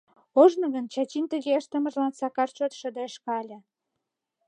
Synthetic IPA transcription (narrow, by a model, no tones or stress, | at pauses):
oʒnə̆ɣənt͡ɕɑt͡ɕint̪ə̆ɣeəʃt̪ə̆mə̆ʒlɑnsɑkɑrt͡ɕot̪ʃə̆d̪əʃkɑlʲɤ̆